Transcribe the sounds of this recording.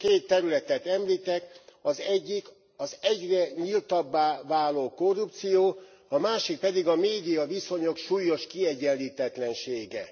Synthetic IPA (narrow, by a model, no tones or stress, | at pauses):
keːt̪ːɛɾylɛt̪ɛt̪ɛmliːt̪ɛkɒzɛɟːik | ɒzɛɟrɛɲilt̪ɒbːaːvaːloːko̞rːup̚t̪sijoː | ɒmaːʃik̚pɛd̪iɡɒmeːd̪ijɒviso̞ɲo̞kʃuːjːo̞ʃkiɛɟːɛliːt̪ɛt̪lɛnʃeːɡɛ